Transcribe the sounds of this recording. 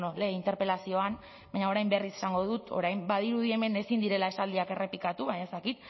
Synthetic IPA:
noleint̪e̞ɾpe̞lasio̞an | baɲao̞ɾajmbe̞risesaŋɡo̞ðut̪o̞̰ɾajmbaðiɾuðie̞me̞ne̞sind̪iɾe̞lae̞sald̪iake̞re̞pikat̪uβaɲae̞st̪akit̪̚

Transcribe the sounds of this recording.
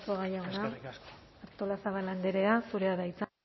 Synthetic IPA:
koɣajanaː | ɾt̪o̞lasaβaland̪eɾe̞asuɾeaðajt͡s

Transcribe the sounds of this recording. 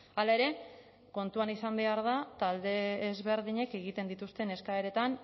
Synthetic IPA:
alae̞ɾe̞ | ko̞nt̪uanisambe̞aɾð̞at̪ald̪e̞ːzβe̞ɾðiɲe̞ke̞ɣ̞it̪e̞nd̪it̪ust̪e̞ne̞skaeɾe̞t̪an

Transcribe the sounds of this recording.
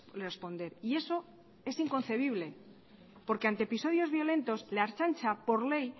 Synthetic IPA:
lerespo̞nd̪e̞ɾie̞so̞ | e̞siŋko̞n̟θe̞β̞iβle̞ | po̞ɾke̞ant̪eepiso̞ðjo̞zβjo̞le̞nt̪o̞sle̞aɾt͡ʃant͡ʃapo̞ɾle̞j

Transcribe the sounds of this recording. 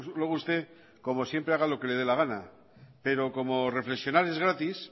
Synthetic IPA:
lwoɣust̪e̞ | ko̞mo̞sje̞mpɾeaɣ̞alo̞ke̞le̞ð̞elaɣana̰ | pe̞ɾo̞ko̞mo̞re̞fleksjo̞naɾe̞zɣɾat̪is

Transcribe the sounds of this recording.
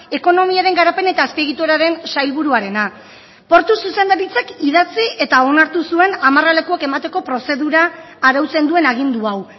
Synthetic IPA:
e̞ko̞no̞miaɾe̞ŋɡaɾape̞ne̞t̪aːspiɣit̪oɾaɾe̞nsajlβuɾuaɾe̞na | po̞ɾt̪ususe̞nd̪aɾit͡sakiðat͡sie̞t̪ao̞naɾt̪usue̞namarale̞kuake̞mat̪e̞ko̞pɾo̞se̞ðuɾaː | ɾawt͡se̞nd̪ue̞naɣ̞ind̪uaw

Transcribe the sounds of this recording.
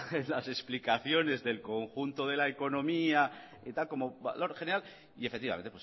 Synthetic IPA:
lase̞splikaθjo̞ne̞zðe̞lko̞ŋxunt̪oðe̞laeko̞nõ̞mia | it̪alko̞mo̞ba̰lo̞ɾxe̞neɾal | ie̞fek̚t̪iβa̰enepwo

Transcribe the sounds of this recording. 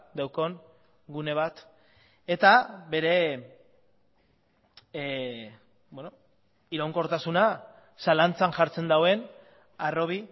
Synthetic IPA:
d̪awko̞n | ɡune̞β̞at̪ | e̞t̪aβe̞ɾe̞ | bweno | iɾawŋko̞ɾt̪asuna | salant͡sanʝaɾt͡se̞nd̪awe̞n | aro̞β̞i

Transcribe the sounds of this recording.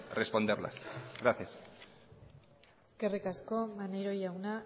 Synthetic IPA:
respo̞nd̪eɾla̰sɣɾaθjas | eske̞rikasko̞maneɾo̞jawna

